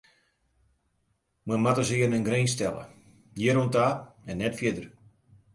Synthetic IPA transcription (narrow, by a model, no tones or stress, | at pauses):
məmatəsɪərnənɡrɾenstɛ̰lə̰ | jiəɾontaːɛnːɛtfjɪdər